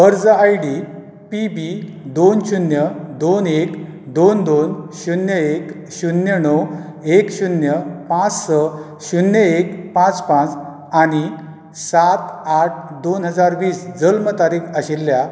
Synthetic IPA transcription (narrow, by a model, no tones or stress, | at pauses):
əɾd͡zəajɖi | pibid̪onɕunjəd̪onek | d̪ond̪onɕunjəek | ɕunjəɳəw | ekɕunjəpãt͡sːə | ɕunjəekpãt͡spãt͡s | aɽ̃i | sat̪aʈ̚ʰd̪onɦəd͡zaɾʋiːsd͡zəlmət̪aɾikəɕilːja